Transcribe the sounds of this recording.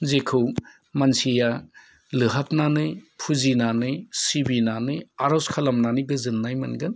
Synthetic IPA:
zekʰɯw | mansija | lɯɦap̚nanɯjpʰuzinanɯjsibinanɯjaɾaskʰalamnanɯjɡɯzɯnːajmɯnɡɯn

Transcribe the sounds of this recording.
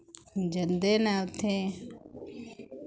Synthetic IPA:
d͡ʒənd̪eːnɛːʊt̪ʰeː

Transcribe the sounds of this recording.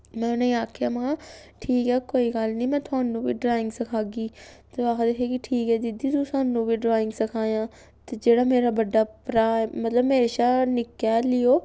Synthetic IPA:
mɛ̃ːʊnẽːaːkʰjaːmãʈʰiːkɛːkoːiːɡəlnĩːmɛ̃ːt̪ʊaːnũːʋḭːɖɾaːɪŋɡsəkʰaːɡiːt̪eːaːkʰd̪eːkʰjaːkɪʈʰiːkɛːd̪ɪd̪iːt̪ũːsaːnũːʋiːɖɾaːɪŋɡsəkʰaːjãː | t̪eːd͡ʒeːɽaːmeːɾaːbəɖːaːpɾaːmət̪ləbmeːɾeːʃaːnɪkːjaːlɪjoː

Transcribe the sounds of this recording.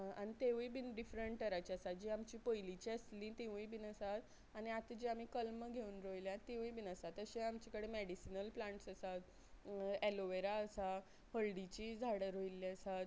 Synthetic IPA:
aanit̪eʋibinɖifɾəɳʈ̚ʈəɾat͡ɕiəsad͡ʑiamt͡ɕiːpəjlit͡ɕiəslĩt̪eʋ̤ũibinəsat̪ | añiat̪d͡ʑiam̤iːkəlməɡʱeuːnɾojljãt̪ːeʋ̃ibinəsat̪əɕeamt͡ɕikəɽemeɽisinəlplãɳʈsəsat̪ | eloʋeɾaəsa | həlɖit͡ɕid͡zʱaɽəɾojliəsat̪

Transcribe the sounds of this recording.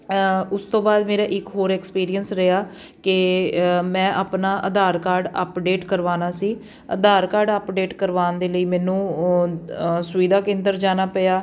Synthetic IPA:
ʊst̪õːbaːd̪meːɾaːʔɪkɦoːɾɛːkspiːɾiənsɾeaː | kɪ | mɛ̃ːʔəpnaːʔəd̪aːɾkaːɾɖə̰pɖeːʈkəɾʋaːnaːsiː | ə̰d̪aːɾkaːɾɖəpɖeːʈkəɾʋaːnd̪eːləiːmɛ̃ːnũː | sʊʋiːd̪aːkɪ̃ːnd̪əɾd͡ʒaːnaːpəaː

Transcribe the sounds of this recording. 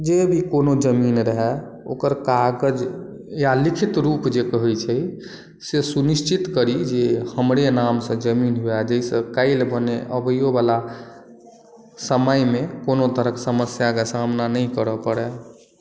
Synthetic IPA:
d͡ʒebʱikonod͡ʒəminɾəɦɛ | o̰kəɾkaɡəd͡ʒ | jalikʰit̪ɾupd͡ʒekəɦɛjt͡ʃʰəj | sesuniʃt͡ʃit̪kəɾid͡ʒehəmɾenamsə̃d͡ʒəminɦuɛd͡ʒəjsə̃kaɪlbəneʔəbəjobala | səməjmekonot̪əɾəksəməsjakesamnanəjkəɾəpəɽɛ

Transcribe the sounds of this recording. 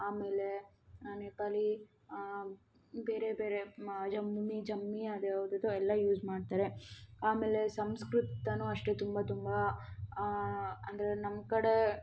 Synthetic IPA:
aːme̞ːle̞ | nɐneːkaːli | be̞ːɾe̞beːɾed͡ʒɐmumid͡ʒɐmːiad̪eɐʋd̪ɐd̪uɛlːɐjuːd͡ʒmaːɖ̚t̪aːɾeaːme̞ːle̞sɐmskɾut̪ɐnuɐʂʈet̪umbɐt̪umbɐ | ɐnd̪ɐɾenɐmkɐɽe

